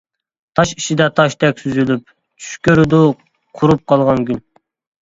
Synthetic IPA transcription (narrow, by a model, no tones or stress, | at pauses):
t̪ʰɑʃiʃid̪ɛt̪ʰɑʃt̪ɛkʲsyzylyp̚ | t͡ʃʰy̥ʃkʲøɾd̪u | qʰuɾup̚qʰɑlˠʁɑnkʲyn